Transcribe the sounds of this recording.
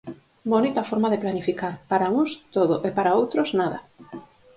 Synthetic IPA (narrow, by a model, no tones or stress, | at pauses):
bonit̪afoɾmaðeplanifikaɾpaɾauŋst̪oðoʔepaɾaowt̪ɾoznaðɐ̰